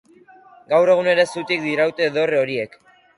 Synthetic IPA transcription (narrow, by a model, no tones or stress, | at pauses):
ɡawre̞ɣ̞une̞ɾe̞sut̪ik̚d̪iɾawt̪e̞ːðo̞reo̞ɾie̞k